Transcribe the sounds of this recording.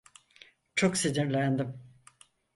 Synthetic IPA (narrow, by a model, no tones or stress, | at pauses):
t͡ʃʰoksid̪iɾlʲænd̪im